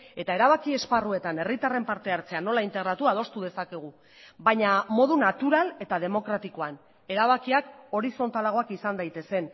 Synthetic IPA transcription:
e̞t̪ae̞ɾaβ̞akie̞sparue̞t̪ane̞rit̪are̞mpaɾt̪e̞aɾt͡se̞ano̞laint̪e̞ɣɾat̪uað̞o̞st̪uðe̞sake̞ɣ̞u | baɲamo̞ðunat̪uɾale̞t̪að̞e̞mo̞kɾat̪iko̞an | e̞ɾaβ̞akiako̞ɾiso̞nt̪alaɣo̞akisand̪ajt̪e̞se̞n

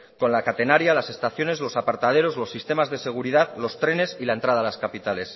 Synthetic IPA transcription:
ko̞nlakat̪e̞naɾjalase̞st̪aθjo̞ne̞zlo̞sapaɾt̪að̞e̞ɾo̞zlo̞sːist̪e̞mazðe̞se̞ɣ̞uɾiðaðlo̞st̪ɾe̞ne̞silae̞nt̪ɾað̞alaskapit̪ale̞s

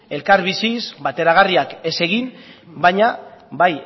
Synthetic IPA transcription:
e̞lkaɾβisisβat̪e̞ɾaɣ̞ariake̞se̞ɣinbaɲabaj

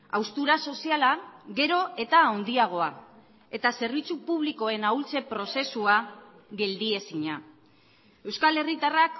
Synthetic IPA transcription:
a̰wst̪uɾaso̞sialaɣe̞ɾo̞e̞t̪aond̪iaɣ̞o̞a | e̞t̪ase̞ɾβit͡supuβ̞liko̞e̞nawlt͡se̞pɾo̞se̞sua | ɣe̞ld̪ie̞siɲa | e̞wskale̞rit̪arak

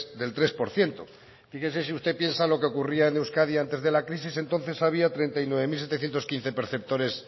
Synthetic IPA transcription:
ðe̞lt̪ɾe̞spo̞ɾθje̞nt̪o | fixense̞siust̪e̞pje̞nsalo̞keokuriaenewskaðjiant̪e̞zðe̞lakɾisise̞nt̪o̞n̟θe̞saβ̞iat̪ɾe̞nt̪ajnwe̞βemils̬et̪e̞θjent̪o̞skin̟θe̞pe̞ɾθe̞p̚t̪o̞ɾe̞s

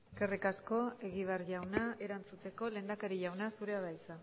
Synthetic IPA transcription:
ekerikasko̞e̞ɣiβ̞arʝawnae̞ɾant͡sut͡s̪e̞ko̞leːnd̪akaɾiʝawnasuɾe̞aðajt͡sa

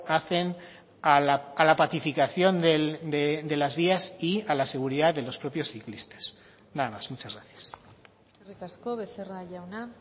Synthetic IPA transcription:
aθe̞n | alaalapaθifikaθjo̞nd̪eld̪ed̪e̞lazβiasialase̞ɣ̞uɾiðaðe̞lo̞spɾo̞pjo̞sθiklist̪e̥s | naðamazmut͡ʃazɣɾaθjḁs | erikaskoβeθeraʝawna

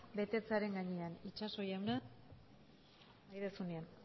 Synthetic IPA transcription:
be̞t̪e̞t͡saɾe̞ŋɡaɲeanit͡ʃaso̞jawna | ajðesunean

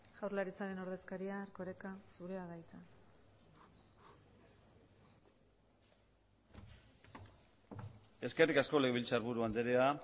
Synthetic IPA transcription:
ʝ̥awɾrlaɾit͡saɾe̞no̞ɾðe̞skaɾiaːɾko̞ɾe̞kasuɾeaðajt͡sa | e̞ske̞rikasko̞leɣeβilt͡saɾβuɾuand̪eɾea

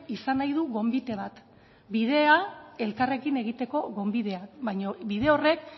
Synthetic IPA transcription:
isanajðuɣo̞mbit̪e̞β̞at̪ | biðe̞ae̞lkare̞kine̞ɣ̞it̪e̞ko̞ɣo̞mbiðe̞abajɲobiðe̞o̞re̞k

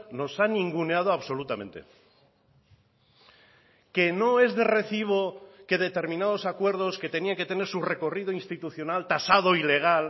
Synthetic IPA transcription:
no̞sanĩŋɡuneað̞oaβso̞lut̪amẽ̞nt̪e̞̰ | ke̞no̞e̞zðere̞θiβ̞o̞ke̞ðe̞t̪e̞ɾmĩnað̞o̞sakwe̞ɾðo̞ske̞t̪e̞niaŋke̞t̪e̞ne̞ɾsure̞ko̞rið̞oinst̪it̪uθjo̞nalt̪asað̞o̞ile̞ɣ̞al

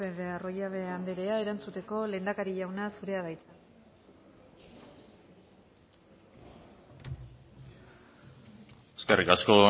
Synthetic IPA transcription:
eβearo̞jaβe̞and̪e̞ɾe̞ae̞ɾant͡sut̪e̞ko̞leːnd̪akaɾiʝawnasuɾe̞aðajt͡s̪a | eskḛrʔikasko̞

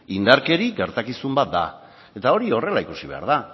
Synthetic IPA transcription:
ind̪aɾke̞ɾiɡe̞ɾt̪akisumbat̪̚d̪a | e̞t̪ao̞ɾio̞re̞laikusiβe̞a̰ɾð̞a

